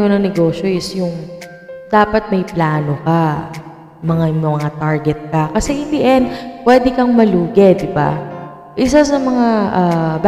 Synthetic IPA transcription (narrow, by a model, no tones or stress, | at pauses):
onɐŋnɛɡo̞ːʃjo̞ʔɪsjʊŋ | d̪̥aːpɐt̪̚mɐjplaːnoka | mɐŋamɐŋat̪aɹɡɛt̪̚kɐkɐsɛʔɪnd̪iʔɛnpwɛːd̪ɛkɐŋmɐluːɡɛd̪ɪba̰ | ʔɪsasɐmɐŋaʔɐb